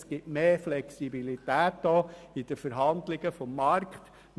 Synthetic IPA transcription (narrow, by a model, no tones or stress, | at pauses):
sɡ̥ɪtmeːflɛksibilit̪æːt̚d̥ɔːid̥̪əfəɾɦɑnd̪lɪɡəfɔmːɑɾkχt